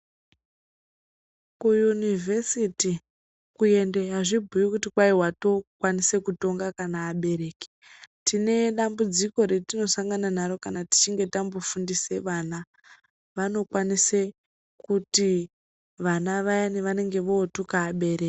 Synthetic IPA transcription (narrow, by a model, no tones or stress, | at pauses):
kujunivʱe̞siti | kue̞nde̞ɦaʐibʱujikutikwaiɦwato̞kwanise̞kuto̞ŋɡakanaːɓe̞ɾe̞ːke̥ | tine̞ɗambud͡ziko̞ɾetino̞saŋɡananaɾo̞kanati̥t͡ʃiŋɡe̞tambofundise̞ʋana | ʋano̞kwanise | kuti | ʋanaʋajaniʋane̞ŋɡe̞ʋo̞ːtukaːɓe̞ɾeːk